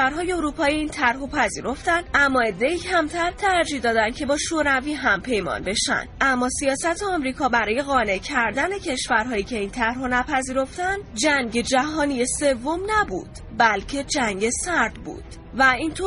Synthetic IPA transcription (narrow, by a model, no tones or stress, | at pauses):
æɾɦɒːjeoɾuːpʰɒːiiːnt̪ʰæɾɦopʰæziːɾo̞ft̪ænd̪ʔæmːɒːe̞d̪ːe̞iːcʰæmt̪ʰæɾt̪ʰæɾd͡ʒiːhd̪ɒːd̪ænd̪̥cʰe̞bɒːʃoːɾæviːɦæmpʰe̞jmɒ̰ːnbe̞ʃæ̰nd̪̥ʔæmːɒːsijɒːsæt̪ʰeɒmɾiːkʰɒːbæɾɒːje̞ɣɒːne̞cʰæɾd̪æne̞cʰe̞ʃvæɾɦɒːjiːcʰe̞iːnt̪ʰæɾɦonæpʰæziːɾo̞ft̪ænd̪d͡ʒæŋɟe̞d͡ʒæɦɒːnijese̞vːomnæbṵːd̪̥ | bælcʰe̞d͡ʒæŋɟe̞sæɾd̪̥bṵːd̪̥ | væint̪ʰo